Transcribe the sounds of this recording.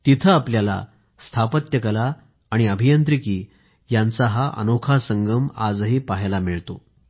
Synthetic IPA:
t̪it̪ʰəapljala̰ | st̪ʰapət̪jəkəlaː | ɽ̃iəbʱijənt̪ɾikiː | jãnt͡saɦaʔə̰nokʰasəŋɡəmad͡zɦepaɦjlameɭt̪o

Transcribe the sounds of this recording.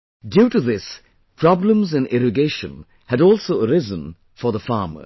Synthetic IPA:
djuːtɨðɪs | pʰɹ̥ɑblə̃mzɨ̃nɪɹɨɡeɪʃə̰̃n | hɨɾɔˑlˠsoʊəɹɪzə̃n | fə˞ðəfɑːmə̰˞

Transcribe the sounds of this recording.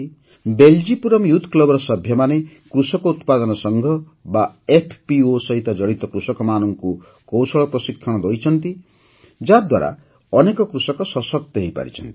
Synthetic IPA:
beld͡ʒipuɾɔmjut̪ʰːklɔbɾɔsʌbʱjʌmane | kɾusɔkout̪pad̪ɔnɔsʌŋɡʱʌ | baepʰpiosʌɦit̪ad͡ʒʌɽit̪ɔkɾusɔkɔmanɔŋku | kowsʰɔɭɔprʌsikʰːɔɽ̃ɔd̪ɔjt͡ʃʰʌnt̪i | d͡ʒad̪wa̰ɾa̰ | ʌnekɔkɾusɔkɔsʌsɔkt̪eɦijpa̰ɾḭt͡ʃʰʌnt̪i

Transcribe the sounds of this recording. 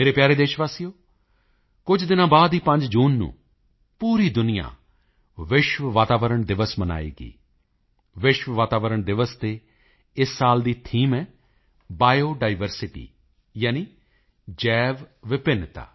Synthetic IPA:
meːɾeːpjaːɾeːd̪eːʃʋaːsijoː | kʊd͡ʒd̪ɪnãːbaːd̪iːpəɲd͡ʒd͡ʒuːnːṵ̃ː | puːɾiːd̪ʊnɪjã̰ː | ʋɪʃʋəʋaːt̪aːʋəɾəɳd̪ɪʋəsməna̰ːḭːɡḭː | ʋɪʃʋəʋaːt̪aːʋəɾəɳd̪ɪʋəst̪eː | ɪsːaːld̪iːt̪ʰiːmɛː | baːjoːɖaːɪʋəɾsɪʈḭː | jaːniː | d͡ʒɛːʋʋɪpɪnt̪a̰ː

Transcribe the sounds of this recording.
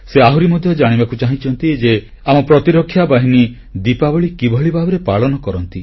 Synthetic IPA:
seaɦuɾimɔd̪ʱjɔd͡ʒaɽ̃ibakut͡ʃaɦĩt͡ʃʰɔnt̪id͡ʒe | amɔpɾɔt̪iɾɔkʰːjabaɦini | d̪ipabɔɭikibʱɔɭibʱabɔɾepaɭɔnɔkɔɾɔnt̪i

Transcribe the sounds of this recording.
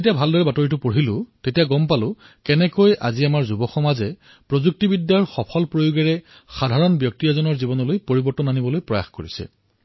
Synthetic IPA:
etijabʱaldɔɹɛbatoɹitʊpoɦilʊ̃tetiaɡɔmpalʊ | kɛnɛkojʔa̰ziamaɹzubɔxɔmazɛ | pɹozuk̚tibidjaɹxɔpʰɔlpɹojoɡɛɹɛ | xadʱaɹɔnbjɔk̚tiazɔnɔɹzibɔnɔlojpoɹibɔɹtɔnanibɔlojpɹɔja̰xkoɹisɛ̰

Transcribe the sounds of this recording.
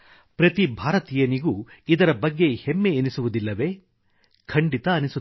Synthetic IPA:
pɾɐt̪ibʱaːɾɐt̪ijɐniɡuid̪ɐɾɐbɐɡːe̞hemːeːnisuʋud̪ilːɐʋe̞ː | kʰɐɳɖit̪ɐːnisu

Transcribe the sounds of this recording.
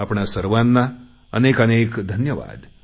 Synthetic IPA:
apɳasəɾʋãnːa | ənekənekd̪ʱənjəʋa̰d̪

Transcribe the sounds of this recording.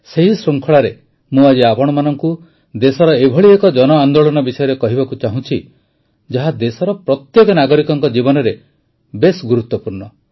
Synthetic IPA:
seɦisɾuŋkʰɔɭaɾe | mũad͡ʒiapɔɽ̃ɔmanɔŋku | d̪esɔɾɔebʱɔɭiekɔd͡ʒɔnɔand̪oɭɔnɔbisɔjɔɾekɔɦibakut͡ʃaɦũt͡ʃʰi | d͡ʒaɦad̪esɔɾɔpɾɔt̪jekɔnaɡɔɾikɔŋkɔd͡ʒibɔnɔɾe | besɡuɾut̪ːɔpuɾɳɔ

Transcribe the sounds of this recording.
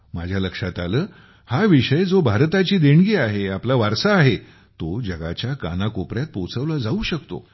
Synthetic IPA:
mad͡ʑʱjaləkʂat̪aləː | haʋiʂəjd͡zobʱaɾt̪at͡ɕiːd̪eɳɡiːaɦeaplaʋaɾsaːɦe | t̪od͡ʑəɡa̰t͡ɕjaka̰nakopɾjat̪̚pot͡səʋlad͡zauɕəkt̪o̰

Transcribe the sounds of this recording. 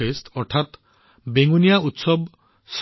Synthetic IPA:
esʈɔɾt̪ʰat̪ | beŋunijaʔut̪sɔb | s

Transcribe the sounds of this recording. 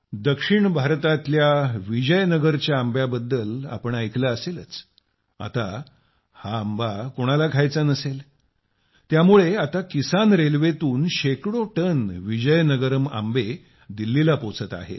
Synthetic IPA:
d̪əkʂiɳbʱaɾt̪at̪ljaʋid͡ʑəjnəɡəɾt͡ɕjaːmbjabəd̪ːəla̰pəɳəjklaːselət͡s | a̰t̪a | haːmbakoɽ̃alaɡʱajt͡sanəsel | t̪jamuɭeat̪akisanɾelʋet̪uːnɕekɽoʈənʋid͡ʑəjnəɡəɾəma̰mbe | d̪ilːilapot͡sət̪a̰ɦḛ

